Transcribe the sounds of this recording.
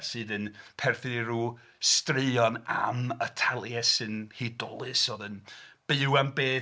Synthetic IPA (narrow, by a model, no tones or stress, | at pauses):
sɨːdənpʰɛrθɨniɾuː | strɪɔna̰mətʰalˠjɛsɨnhidɔlˠɨsoðənb̥ɨwambeː